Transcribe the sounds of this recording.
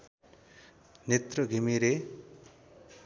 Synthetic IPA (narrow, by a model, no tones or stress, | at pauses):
net̪rʌɡʱimiɾe